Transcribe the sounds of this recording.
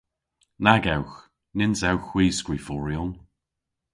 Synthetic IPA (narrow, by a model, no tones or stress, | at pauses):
naɡawx | nɪnsawxw̥iːskɹifɔɹiɔn